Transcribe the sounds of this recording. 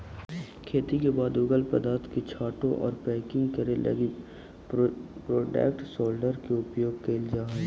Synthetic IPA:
kʰeːt̪ikebaːd̪ʊɡəlpəd̪aːɾt̪ket͡ʃʰaːʈõʔɔ̰ːɾpɛːkɪ̃ŋɡkəɾelʔɐ̰ɡi | pɾoːʈɛ̰ːkʈsoːlɖəɾkeʊpjoːɡ̚keːld͡ʒaːɦɛ

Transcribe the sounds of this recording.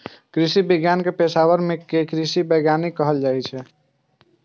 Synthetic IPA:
kɾisibiɡjankepesawəɾmekekɾisibəɡjanikəɦəld͡ʒajt͡ʃʰɛ

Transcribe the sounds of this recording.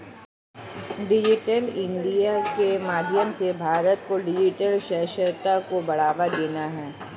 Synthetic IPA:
ɖɪd͡ʒɪʈəlɪ̃ɳɖijakemaːd̪ʱjəmsebʱaːɾət̪koɖɪd͡ʒɪʈəlʃɛʃəɾt̪akobɐɽ̤aːʋad̪eːnaɦɛː

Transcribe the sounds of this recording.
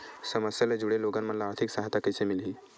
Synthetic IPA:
səməsjalad͡ʑuɽeloɡanməlaːɾt̪ʰiksaɦt̪akəjsemilɦiː

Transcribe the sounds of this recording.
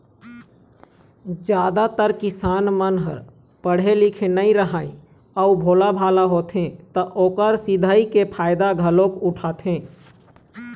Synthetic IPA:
d͡ʒjaːd̪at̪əɾkɪsaːnmənɦəɾ | pəɽ̤elikʰenəĩɾəɦaːĩ | əubʱoːlabʱaːlaɦot̪ʰɦẽt̪əʔoːkəɾsɪd̪ʱəikepʰaːɪd̪aɡʱəlõkuʈʰaːt̪ʰɦẽ

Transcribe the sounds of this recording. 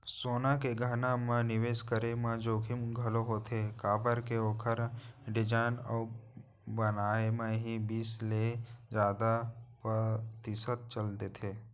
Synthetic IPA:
soːnakeɡʱaːnamãnɪʋeːskəɾemãd͡ʒoːkʰɪmɡʱɐloɦot̪ʰekaːbəɾkeoːkʰəɾɖɪd͡ʒaːnɔː | bənaːemãɦibiːsled͡ʒaːd̪apɾət̪ɪsət̪̚t͡ʃəld̪et̪ʰeː

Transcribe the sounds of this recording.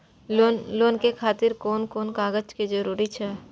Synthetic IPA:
onloːnkekʰaːt̪ɪɾkoːnkoːnkaːɡəd͡ʒkid͡ʒəɾuːɾit͡ʃʰɛː

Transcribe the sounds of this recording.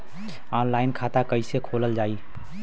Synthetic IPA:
ɔːnlaːɪnkʰat̪akəɪsekʰoːləld͡ʒaːi

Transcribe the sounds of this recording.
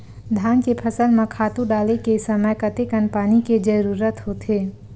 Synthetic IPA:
d̪ʱaːnkepʰəsəlmẽkʰaːt̪ũɖaːlekesəməjkət̪ekənpaːniked͡ʒəɾuːɾət̪ɦot̪ʰeː

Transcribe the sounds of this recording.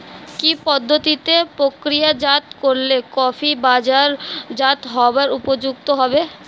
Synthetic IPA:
kipɔd̪ʱːot̪it̪epɾokɾijad͡ʒat̪koɾlekɔfʰibaːd͡ʒaɾd͡ʒat̪ɦɔbaɾupod͡ʒuɡ̚t̪oɦɔbe

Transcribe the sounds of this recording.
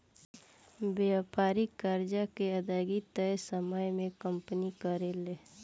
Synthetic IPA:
bpaːɾikaɾd͡ʒakeəd̪aːɡit̪əjsəməjmẽkəmpnikəɾele

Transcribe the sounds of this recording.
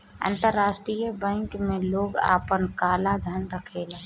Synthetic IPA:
ã̰ːnt̪əɾːaːʃʈɾijəbɛ̃ŋkmẽloːɡa̰ːpənkaːlad̪ʱənɾəkʰeːlaː

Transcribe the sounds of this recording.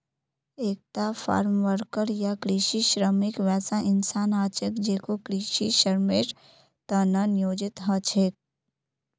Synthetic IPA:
eːk̚t̪afʰa̰ːɾmʋəɾkəɾjakɾiːʃiʃɾəmɪkʋɛːsaʔɪnsaːnaːt͡ʃəkd͡ʒeːkokɾiːʃiʃəɾmeʈ | t̪aːnanjoːd͡ʒɪt̪ɦat͡ʃʰeːk̚

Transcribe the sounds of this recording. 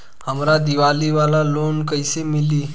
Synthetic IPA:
həmɾad̪iʋaliʋalalonkəjsemiliː

